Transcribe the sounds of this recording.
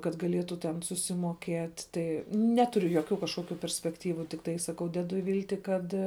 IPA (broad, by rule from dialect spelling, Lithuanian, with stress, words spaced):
kɐt ɡɐˈlʲiɛtʊ tʲɛn sʊsʲɪmoːˈkʲiɛtʲ ˈtɐɪ ˈnʲæːtʊrʲʊ joːˈkʲuː kɐʃˈkoːkʲʊ pʲɛrʲsʲpʲɛkˈtʲiːʋʊ tʲɪkˈtɐɪ sɐˈkɐʊ ˈdʲæːdʊ ˈʋʲiːlʲtʲɪ ˈkɐt